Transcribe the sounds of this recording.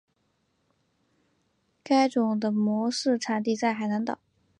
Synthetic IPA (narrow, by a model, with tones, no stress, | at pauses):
ka˥ɪʈ͡ʂʊ˨˩ŋd̪ə˧mwɔ˧˥ʂɻ̩˥˩ʈ͡ʂʰa˨˩nt̪i˥˧t͡sa˥˩ɪxa˨˩ɪna˧˥ŋt̪ɑ̰˨˩˦